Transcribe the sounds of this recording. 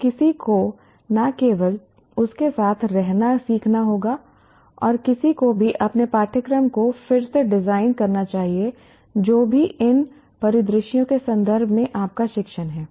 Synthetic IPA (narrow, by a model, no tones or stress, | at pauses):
kɪsiko | nakeːʋəl | ʊskesaːt̪ʰɾɛɦnasiːkʰnaɦoːɡa | ɔːɾkɪsikobʱiʔɐpnepaːʈʰəkɾəmkofɪɾseɖɪzaːɪnkɐɾnat͡ʃaːɦie | d͡ʒoːbʱiʔɪn | pɐɾɪd̪ɾɪʃijõkesɐ̃nd̪əɾbʱmẽʔaːp̚kaʃɪkʃənɦɛː